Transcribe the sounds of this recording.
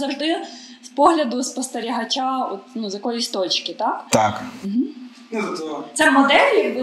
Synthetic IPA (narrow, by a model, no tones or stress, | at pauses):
zɐwʒd̪ɪ | spɔɦlʲɐd̪ʊspɔst̪eɾʲiɦɐt͡ʃʲaɔt̪nuzɐkɔlʲisʲt̪ɔt͡ʃkʲɪt̪ɑkt̪akm̩ɦ̩ | t̪sɛmɔd̪ɛlʲɪ